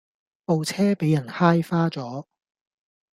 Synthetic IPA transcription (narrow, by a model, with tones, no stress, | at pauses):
po˨wt͡sʰɛː˥pe˨˥jɐ˨˩nhaː˥jfaː˥t͡sɔː˨˥